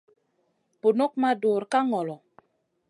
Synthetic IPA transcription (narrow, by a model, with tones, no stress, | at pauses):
po˨no˦k̚ma˦do˨ɾka˦ŋɔ˨lɔ˨